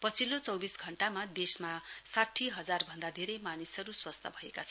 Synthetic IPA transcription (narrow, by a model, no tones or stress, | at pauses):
pʌt͡sʰilot͡sʌwbisɡʱʌɳʈamad̪esmasaʈʰːiɦʌd͡zarbʱʌnd̪ad̪ʱeɾʌjmanisʌɾuswast̪ʰʌbʱʌekat͡sʰʌn